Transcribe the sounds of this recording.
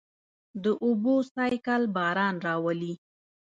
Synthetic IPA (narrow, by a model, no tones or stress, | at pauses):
d̪əʔubosɑjkalbɑɾɑnɾɑwali